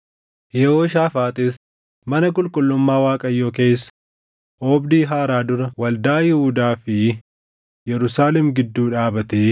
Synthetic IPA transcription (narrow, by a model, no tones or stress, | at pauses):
jɛhoːʃaːfaːt̪ʼɪs | mɐnɐk̬ʼʊlkʼʊlːʊmːaːwaːkʼɐjːoːke̞ːsːɐ̥ | ʔoːbd̪iːɦaːɾaːd̪ʊɾɐwɐld̪aːjɪhuːd̪aːfɪ | jɛɾʊsaːlɛmɡɪd̪ːuːᶑaːbɐt̪eː